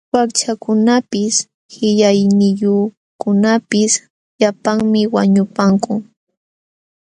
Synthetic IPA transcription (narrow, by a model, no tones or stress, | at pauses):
wakt͡ʃakʊnapɪs | hɪʎajnɪjʊ | kʊnapɪs | ʎapaŋmɪwaɲʊpaŋkʊ